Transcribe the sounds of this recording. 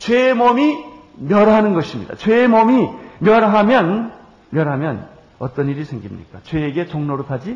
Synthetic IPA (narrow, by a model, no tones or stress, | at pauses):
t͡ɕwe̞momi | mjʌɾɦanɯnɡʌɕʰimɲḭd̥a̰t͡ɕweːmomimjʌɾɦamjʌn | mjʌɾɦamjʌn | ʌt͈ʌniɾisʰe̞ŋɡimɲḭk͈at͡ɕwe̞ːɡe̞t͡ɕoŋnoɾɯpʰad͡ʑi